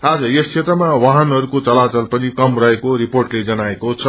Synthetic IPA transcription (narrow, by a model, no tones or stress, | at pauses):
ad͡zʌjʌst͡ʃʰet̪rʌmawaɦʌnɦʌɾukot͡sʌlat͡sʌlpʌnikʌmrʌɦekoɾiporʈled͡zʌnaekot͡sʰʌ